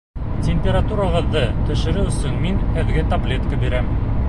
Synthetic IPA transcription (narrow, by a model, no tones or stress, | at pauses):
tʲemʲpʲeɾat̪uɾaʁɤ̆ðːɤt̪ɵ̆ʃɘ̆ɾɘɵ̆sɵŋminhɘ̆ðɡɘt̪ɐblʲe̞t̪kabiɾæm